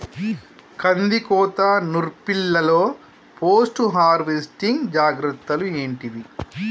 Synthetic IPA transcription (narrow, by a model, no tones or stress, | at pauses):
kɐnd̪ikɔːt̪ɐnuɾpiɭːɐlo̞ː | pʰoːsʈuɦaːɾʋeːsʈiŋɡd͡ʒaːɡɾɐt̪ːɐlue̞ːɳʈid̪i